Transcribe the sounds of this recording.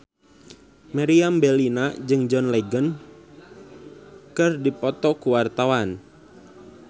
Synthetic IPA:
maɾiambɛlinad͡ʒɨŋd͡ʒɔnlɛɡən | kɨrdipɔt̪ɔkuwart̪awan

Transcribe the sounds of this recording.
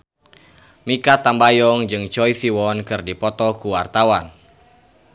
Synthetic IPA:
mikat̪ambajɔŋd͡ʒɨŋt͡ʃɔjsiwɔnkɨrdipɔt̪ɔkuwart̪awan

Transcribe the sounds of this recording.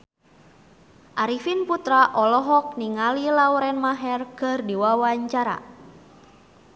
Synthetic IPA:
ʔaɾifinput̪ɾaʔɔlɔɦɔk̚niŋalilauɾɛnmaɦɛrkɨrdiwawaɲt͡ʃaɾa̰

